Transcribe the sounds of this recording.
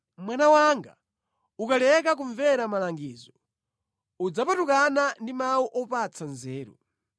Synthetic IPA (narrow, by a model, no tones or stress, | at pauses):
mwanawaŋɡa̰ | ukalɛk̬ak̬uɱvɛɾamalaŋɡiːzɔ | ud͡zapatukanandimauʔɔpat͡sʰanzɛːɾṵ